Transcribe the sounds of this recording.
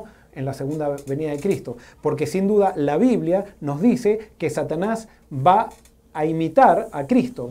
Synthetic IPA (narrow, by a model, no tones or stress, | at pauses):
enlase̞ɣund̪aβe̞niðaðekɾist̪o̞ | po̞ɾke̞sind̪uðalaβiβljano̞zðisekesat̪anaz | βaː | imit̪aɾakɾist̪o